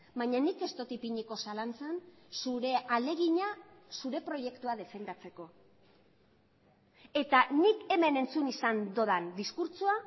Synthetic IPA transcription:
bajɲanike̞st̪o̞t̪ipiɲiko̞salant͡sansuɾe̞ale̞ɣiɲasuɾe̞pɾo̞ʝe̞kt̪uað̞e̞fe̞nd̪at͡se̞ko̞ | e̞t̪anike̞me̞ne̞nt͡sunisand̪o̞ðand̪iskuɾt͡sua

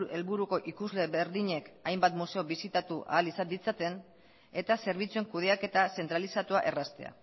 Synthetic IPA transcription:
e̞lβuɾuko̞ʔikuzle̞βeɾðiɲe̞kajmbat̪muse̞o̞βisit̪at̪uʔa̰ːlisad̪it͡sat̪e̞n | e̞t̪ase̞ɾβit͡sueŋkuð̞e̞ake̞t̪ase̞nt̪ɾalisat̪uaʔe̞rast̪e̞̰a̰

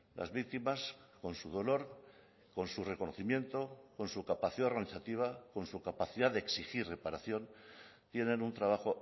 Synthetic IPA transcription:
lʔa̰zβik̚t̪imasko̞nsuð̞o̞lo̞ɾ | ko̞nsure̞konoθimjẽ̞nt̪o̞ko̞nsukapaθiðaɣaniθat̪iβako̞nsukapaθiðaðeeksixirre̞paɾaθjo̞nt̪je̞nẽ̞nunt̪ɾaβ̞axo̞

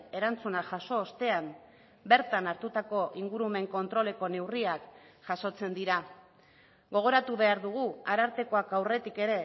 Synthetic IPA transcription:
e̞ɾant͡sunaʝaso̞ːst̪e̞am | be̞ɾt̪anaɾt̪ut̪ako̞ʔiŋɡuɾume̞ŋko̞nt̪ɾo̞le̞ko̞ne̞wriakʝ̥aso̞t͡se̞nd̪iɾa | ɣo̞ɣ̞o̞ɾat̪uβe̞aɾðuɣ̞uaɾaɾt̪e̞ko̞akawre̞t̪ike̞ɾe̞

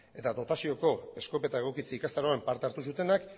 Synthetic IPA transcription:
e̞t̪ad̪o̞t̪asio̞ko̞e̞sko̞pe̞t̪aeɣ̞o̞kit͡siikast̪aɾoempaɾt̪eaɾt̪us̬ut̪e̞nak

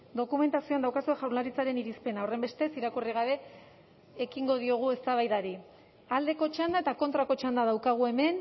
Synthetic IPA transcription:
d̪o̞kume̞nt̪asioand̪awkasueʝawnlaɾit͡saɾe̞niɾispe̞naore̞mbe̞st̪e̞siɾakuriɣaβe̞ː | kiŋɡo̞ð̞io̞ɣ̞ue̞st̪aβ̞ajðaɾi | ald̪e̞ko̞t͡ʃand̪ae̞t̪ako̞nt̪ɾako̞t͡ʃand̪aðawkaɣ̞ue̞me̞n

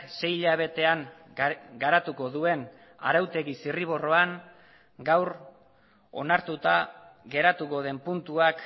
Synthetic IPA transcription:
se̞jʎaβ̞e̞t̪e̞aŋ | ɡaɾat̪uko̞ðue̞n | a̰ɾawt̪e̞ɣisiriβ̞o̞ro̞aŋ | ɡawɾ | o̞̰naɾt̪ut̪aɣe̞ɾat̪uko̞ð̞e̞mpunt̪uak

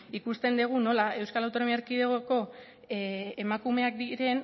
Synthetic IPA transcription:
ikust̪e̞nd̪eɣ̞uno̞lae̞wskalawt̪o̞no̞miaɾkiðeɣoko̞ | emakume̞ak̚d̪iɾe̞n

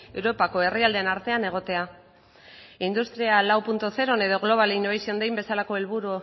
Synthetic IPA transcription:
e̞wɾo̞pako̞e̞riald̪enaɾt̪e̞ane̞ɣ̞o̞t̪e̞a | ind̪ust̪ɾialawpunt̪oθe̞ɾo̞ne̞ðo̞ɣlo̞β̞aleinoβajsio̞nd̪ejmbe̞salako̞e̞lβuɾu

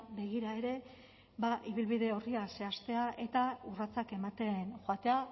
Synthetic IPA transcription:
be̞ɣ̞iɾae̞ɾe̞ | baʔiβ̞ilβiðe̞o̞riase̞ast̪e̞aʔe̞t̪aurat͡sake̞mat̪e̞nxoat̪e̞a

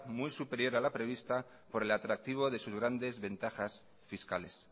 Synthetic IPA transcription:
mujsupe̞ɾjo̞ɾalapɾe̞β̞ist̪a | po̞ɾe̞lat̪ɾak̚t̪iβ̞o̞ðe̞suzɣɾand̪e̞zβe̞nt̪axas | fiskale̞s

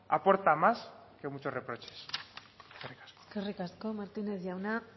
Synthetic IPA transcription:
a̰po̞ɾt̪amaske̞mut͡ʃo̞srepɾo̞t͡ʃe̥s | kerikḁsko̥kerekaskomaɾt̪ineθʝjawna

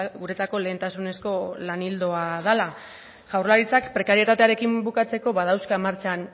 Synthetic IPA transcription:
ɣuɾe̞t͡sako̞le̞ːnt̪asune̞sko̞lanild̪o̞aðala | ʝ̥awrlaɾit͡sakpɾe̞kaɾie̞t̪at̪e̞aɾe̞kimbukat͡se̞ko̞βaðawskamaɾt͡ʃan

